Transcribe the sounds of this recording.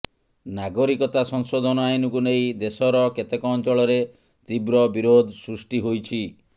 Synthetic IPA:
naɡɔɾikɔt̪asɔŋsod̪ʱɔnɔajnɔkunejd̪esɔɾɔket̪ekɔːnt͡ʃɔɭɔɾe | t̪ibɾɔbiɾod̪ʱsɾusʈiɦojt͡ʃʰi

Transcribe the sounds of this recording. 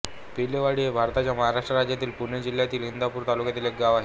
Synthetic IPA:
pileʋaɽiebʱaɾt̪at͡ɕjaməɦaɾaʂʈɾəɾad͡ʑjat̪iːlpuɳjed͡ʑil̤ːjat̪iːlɦind̪ʱapuːɾt̪alukjat̪iːlek̚ɡaʋaɦe

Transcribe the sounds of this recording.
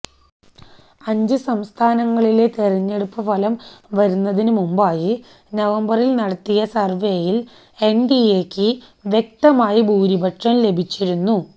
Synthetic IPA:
ɐɲd͡ʑɨsɐmst̪ʰaːnɐŋːɐɭile̞t̪eriɲːe̞ɽupːɨpɐlɐmʋɐɾunːɐðinumumbaːji | nɐʋɐmbɐrilnɐɽɐt̪ːijɐsɐrʋe̞ːjil | e̞nɖieːkʲːɨ | ʋje̞k̚t̪ɐmaːjibʱuːɾibɐʈʂɐmle̞bʱit͡ɕːiɾunːu

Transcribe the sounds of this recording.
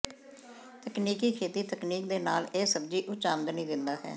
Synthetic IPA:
t̪əkniːkiːkʰeːt̪iːt̪əkniːk̚d̪eːnaːleːsəbd͡ʒiːʔʊt͡ʃaːmd̪nĩːd̪ɪnd̪aːɦɛ̰ː

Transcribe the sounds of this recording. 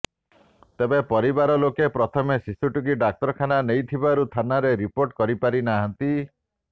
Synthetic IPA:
t̪ebepɔɾibaɾɔlokepɾɔt̪ʰɔmesisuʈuɡiɖak̚t̪ɔɾɔkʰananejt̪ʰibaɾut̪ʰanaɾeɾipoɾʈkɔɾipaɾinaɦɔnt̪i

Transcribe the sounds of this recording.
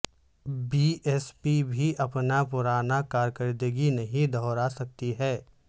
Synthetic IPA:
biɛːspibʱiʔɐpnapʊɾaːnakaːɾkəɾd̪əɡinɐɦĩd̪ɔɾasɐk̚t̪iɦɛː

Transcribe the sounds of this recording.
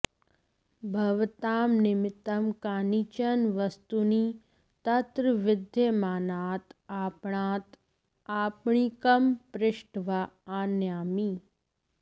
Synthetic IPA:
bʱɐʋt̪aːmnɪmɪt̪ːɐmkaːnit͡ʃɐnʋɐst̪uni | t̪ɐt̪ɾʋɪd̪ʱjemaːnaːt̪aːpɳ̃ãːt̪ | aːpɳikɐmpɾɪʃʈʋaaːnjaːmi

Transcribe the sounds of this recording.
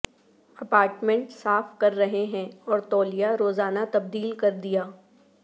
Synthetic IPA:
ɐpaːɾʈmẽɳʈsaːfkɐɾːɐɦeɦɛ̃ɔːɾt̪ɔːlijaɾoːzaːnat̪ɐb̚d̪iːlkɐɾd̪ijaː

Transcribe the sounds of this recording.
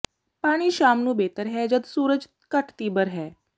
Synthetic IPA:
paːɽ̃iːʃaːmnũːbet̪əɾɦɛd͡ʒəd̪suːɾəd͡ʒ | kəʈʰt̪ibəɾɦɛ

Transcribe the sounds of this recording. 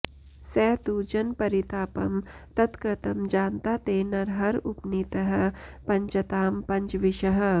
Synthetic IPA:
sɛːt̪uːd͡ʒɐnpɐɾit̪aːpɐmt̪ɐt̪kɾɐt̪ɐmd͡ʒaːnt̪at̪eːnɐɾɦɐɾupniːt̪ɐɦɐ̆pɐɲt͡ʃɐt̪aːmpɐɲt͡ʃʋiʃɐɦɐ̆

